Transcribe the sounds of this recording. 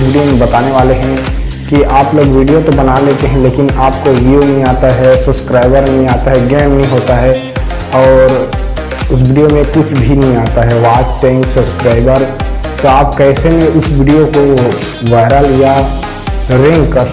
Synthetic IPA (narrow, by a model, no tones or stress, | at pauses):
ʋiːɖijomẽbɐt̪aːneʋaːleɦɛ̃ | kiaːploːɡʋiːɖijot̪obɐnaleːt̪eɦɛ̃leːkɪnaːp̚koʋijonɐɦĩaːt̪aɦɛsɐbskɾaːɪbəɾnɐɦĩaːt̪aɦɛɡɛːmɦĩɦoːt̪aɦɛ | ɔːɾ | ʊs̬ʋiːɖijomẽkʊt͡ʃʰbʱinɐɦĩaːt̪aɦɛʋaːt͡ʃʈɛ̃ːŋksɐbskɾaːɪbəɾt̪oaːp̚kɛːsenẽʊsʋiːɖijoko | ʋaːɪɾalja | ɾɛ̃ŋkːɐ